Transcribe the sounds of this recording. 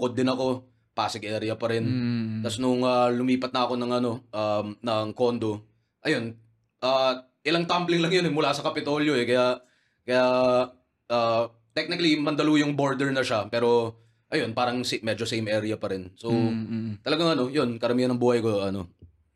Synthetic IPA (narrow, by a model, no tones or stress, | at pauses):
kod̪ːɪnɐko̞ | paːsɪɡʔɛːɾɪjɐpɐɾɪnt̪ɐsnʊŋalʊmiːpɐt̪̚nɐɐko̞nɐŋʔɐno̞ʔamnɐŋko̞nd̪o̞ | ʔɐjo̞n | ʔaː | ʔɪlaŋt̪amplɪŋlɐŋjonɛmʊlaːsɐkɐpɪt̪o̞ljo̞ɛkɐjaʔ | kɐja | ʔaː | t̪ɛk̚nɪkɐlimɐnd̪ɐluːjʊŋboɹd̪ɛɹnɐʃapɛːɾo̞ | ʔɐjo̞npaːɾɐŋsmɛd͡ʒosejmʔɛːɾɪjɐpɐɾɪnsowt̪ɐlɐɡaŋɐno̞jo̞nkɐɾɐmiːhɐnɐŋbuːhɐjkoʔɐno̞̰